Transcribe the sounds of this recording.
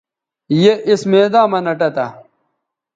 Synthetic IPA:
jeʔismeːd̪aːmɐnɐʈɐt̪a

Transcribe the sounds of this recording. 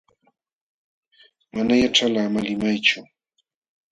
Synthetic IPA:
manajaʈ͡ʂalamalɪmajt͡ʃʊ

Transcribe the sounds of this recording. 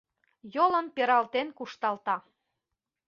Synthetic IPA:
jolənpeɾɑlt̪enkuʃt̪ɑlt̪ɑ

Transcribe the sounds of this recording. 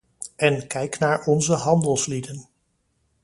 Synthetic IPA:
ɛnkɛjknaːɹɔnzəɦɑndəlˠslidən

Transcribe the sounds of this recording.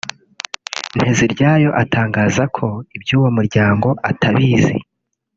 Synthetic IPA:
n̥he̞ziɾɟaːjo̞ʔatʰaːŋɡaːzakʰo̞ibjuːwo̞muɾɟaːŋɡo̞ʔatʰaβiːzḭ

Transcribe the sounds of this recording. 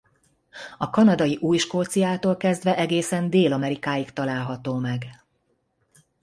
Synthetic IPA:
ɒkɒnɒd̪ɒjiʔuːjʃkoːt̪sijaːt̪oːlkɛzd̪ʋɛʔɛɡeːsɛnd̪eːlɒmɛɾikaːjikt̪ɒlaːlɦɒt̪oːmɛɡ

